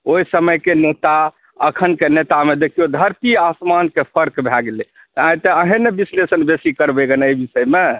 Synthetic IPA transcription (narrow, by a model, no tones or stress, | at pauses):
oisəməjkenet̪a | əkʰənkenet̪amed̪ekʰijod̪ʱəɾt̪iasmankepʰəɾkbʱaɡele | t̪ãj̃t̪eəɦẽnːebislesənbesikəɾbeɡənejbisəjme